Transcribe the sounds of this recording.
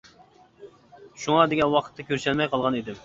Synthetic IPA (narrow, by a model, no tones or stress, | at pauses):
ʃuŋɑd̪eɡʲɛnwɑqʰə̥t̪ːɛkʲøɾʃɛlmɛjqʰɑlˠʁɑnid̪ɪm